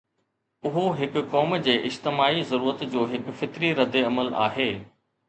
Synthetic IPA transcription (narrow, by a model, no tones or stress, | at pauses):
ʊɦoɦɪkʊkɔːmd͡ʑeːʔɪd͡ʑt̪ɪmaːizɐɾuːɾət̪d͡ʑoːɦɪkfɪt̪ɾiɾɐd̪eɐməla̰ːɦeː